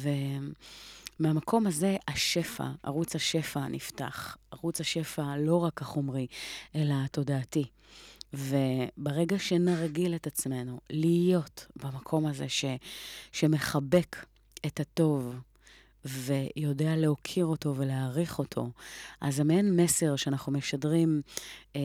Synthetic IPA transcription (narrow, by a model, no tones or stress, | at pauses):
ve̞ | meamakʰo̞mhaze̞aʃe̞fa̰a̰ʁut͡shaʃe̞fanḭfta̰χaʁut͡shaʃe̞falo̞ʁakhaχo̞mʁiʔe̞lato̞daːti | vebeʁe̞ɡaʃe̞naʁɡiletat͡sme̞nulijo̞tbamakʰo̞mazeʃeʃeme̞χabe̞kʰ | etato̞v | ve̞jo̞dealeokʰiʁo̞to̞veleaʁiχo̞tʰo̞̰ʔa̰zamenme̞se̞ʁʃeanaχnumeʃadʁim